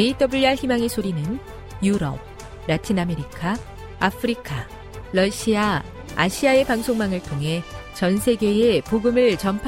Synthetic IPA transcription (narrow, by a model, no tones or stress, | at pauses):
eit͈ʌbuɭaçimaŋesʰoɾinɯn | juɾʌ̰p̚ | ɾatʰiname̞ɾikʰa | apʰɯɾikʰa | ɾʌɕʰia | a̰ɕʰiae̞paŋsʰoŋmaŋɯɭtʰoŋɦe̞t͡ɕʌnsʰe̞ɡe̞epoɡɯmɯɭt͡ɕʌmpʰ